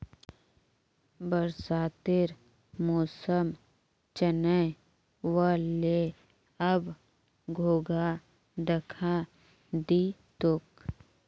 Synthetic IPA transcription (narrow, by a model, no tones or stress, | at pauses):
bəɾsaːt̪ɪɾ | mɔːsəm | t͡ʃənə | ʋəlːe | əb | ɡʱoːɡa | d̪ɐkʰa | d̪iːt̪ʊk